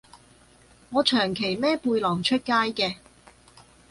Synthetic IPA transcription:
ŋɔː˨˧t͡ʃʰœː˨˩ŋkʰe˨˩jmɛː˥puː˧jlɔː˨˩ŋt͡ʃʰɵ˥t̚kaː˥jkɛː˧

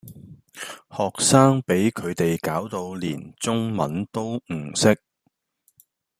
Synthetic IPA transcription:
hɔː˨k̚saː˥ŋpe˨˥jkʰɵ˨˧ɥt̪e˨jkaː˨˥wt̪o˧wlḭː˨˩nt͡sʊ˥ŋmɐ̰˨˥nt̪o˥wŋ̩˨˩sɪ˥k̚

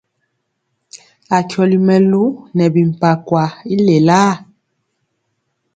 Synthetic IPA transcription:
a˨kjɔ˨li˨mɛ˨lu˦nɛ˨bi˨m̩˨pa˨kwa˨i˦le˨la˦

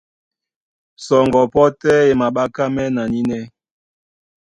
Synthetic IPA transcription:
sɔ˨ŋɡɔ˨pɔ˦tɛ˦e˨ma˨ɓa˦ka˦mɛ˦na˨ni˦nɛ˦

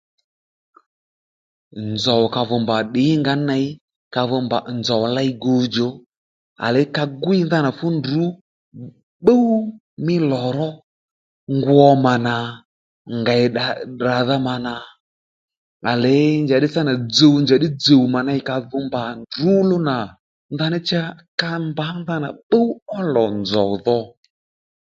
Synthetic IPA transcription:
nd͡zɔ˨wka˧vɔ˨mba˨ɗɪ˨˦ŋɡa˨˦na˧˦ɪ˦ | ka˧vɔ˧mba˨nzɔ˨wla˦i˦ɡo˧d͡ʒo˨ | a̰˨lɛ˨ɪ˦ka˧ɡʊ˦i˦nða˦na˨fʊ˦ndu˨˦ | ɓə˦u˦ | mɪ˦lɔ˨ɾɔ˦ | ŋɡwɔ˧ma˨na˨ | ŋɡa˨ɛ˨a˨da˨ða˦ma˨na˨ | a˨lɛ˨˦ɲd͡ʒa˨ɗɪ˦t͡sa˦na˨d͡zo˨wɲd͡ʒa˨ɗɪ˦d͡zo˨u˨ma˨na˧ɪ˨ka˧ðʊ˧mba˨ndu˨˦lʊ˦na˨ | nða˦nɪ˦t͡ʃa˦ka˧mba˨˦nða˦na˨ɓə˦u˦ɔ˦lɔ˨nd͡zɔ̰˨ðɔ˧

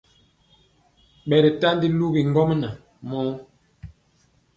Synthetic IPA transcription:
ɓɛ˨ɾɛ˨ta˦n˦di˦lu˦bi˨ŋ˦ɡɔ˦m˦na˨ | mɔ˦

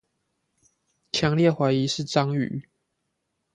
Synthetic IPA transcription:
t͡ʃʰjɑ˧˦ŋljɛ˥˩xwa˧˥ɪi˨˦ʂɻ̩˥˨t͡sɑ˦ŋy̰˨˩˦

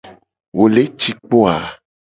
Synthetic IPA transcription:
wo˨le˦t͡ʃi˦k͡po˦a˨

